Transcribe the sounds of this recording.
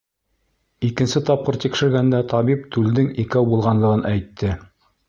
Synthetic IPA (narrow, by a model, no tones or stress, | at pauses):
ikɘ̆nsɘt̪ɑp̚qɤɾt̪ikʃɘ̆ɾɡænd̪æt̪ʰɑβip̚t̪ʉld̪ɘŋikæwbulˠʁɑnlˠɤ̆ʁɤnʔæjt̪ʰːɘ